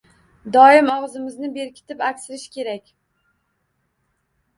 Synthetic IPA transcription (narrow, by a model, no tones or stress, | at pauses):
d̪ɒɪmɒʁzɪmɪznɪbe̞ɾkʲʰɪ̥t̪ʰɪpakʲsɪɾɪʃkʲʰe̞ɾakʲ